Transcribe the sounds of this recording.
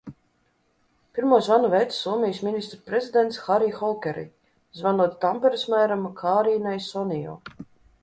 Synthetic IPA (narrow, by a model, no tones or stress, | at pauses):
pʲiɾmuːsvanuvɛt̪sɔɔmijsminʲist̪ɾpɾezid̪ɛnt̪sxaɾiːxɔlˠkʲɛɾḭ | zvanuɔt̪t̪ampɛɾɨsmæjɾamkʰaːɾiːnajsɔnijɔ̰ː